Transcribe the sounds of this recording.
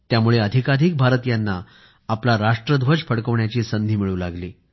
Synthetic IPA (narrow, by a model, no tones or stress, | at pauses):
t̪jamuɭeəd̪ʱikad̪ʱik̚bʱaɾət̪janːaː | plaɾaʂʈɾəd̪ʱʋəd͡ʑfʰəɽkəʋɳjat͡ɕiːsənd̪ʱiːmiɭũːlaɡliː